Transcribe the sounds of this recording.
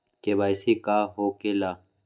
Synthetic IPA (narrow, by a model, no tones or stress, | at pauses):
kebaːjsikaːɦoːkelaː